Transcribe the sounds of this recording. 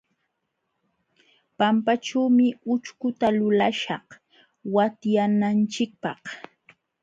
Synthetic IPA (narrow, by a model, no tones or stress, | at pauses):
pampaʈ͡ʂuːmɪʊt͡ʃkʊt̪alʊlaʃɑh | wat̪janant͡ʃɪk̚pɑχ